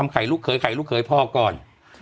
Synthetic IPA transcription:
a˧mkʰa˨˩˦jluː˦˥˩kʰːɤː˨˦jkʰa˨˦jlu˦˥kʰːɤː˨˦jpʰɔː˥˩kɔː˨˩n

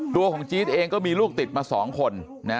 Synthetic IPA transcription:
t̪u˧əkʰɔː˩˦ŋt͡ɕiː˦˥t̪ʔeː˧ŋkɔː˥˩miː˧luː˥˩k̚t̪i˨˩t̪̚maː˧sɔ̰ː˩˦ŋkʰo˧nː | a˦˥

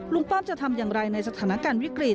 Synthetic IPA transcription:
lu˧ŋpɔː˥˩mt͡ɕa˨˩t̪ʰa˧mjaː˨˩ŋɾa˧jna˧jsa˧t̪ʰaː˩˦na˧kaː˧nwi˦˥kɾi˨˩

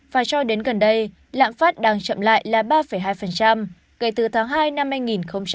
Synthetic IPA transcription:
faː˨˩jsɔ˧ɗe˨˦nɣə˨˩nɗə˧j | la̰ː˧˨mfaː˦˥t̚ɗaː˧ŋt͡ɕə̰˧˨mla̰ː˧˨jlaː˨˩ɓaː˧fə˧˩jɦaː˧jfə˨˩nt͡ɕa˧m | kə˧˩jt̪ɨ˨˩t̪ʰaː˨˦ŋɦaː˧jna˧mhːaː˧jŋi˨˩nxə˧wŋ͡mt͡ɕ

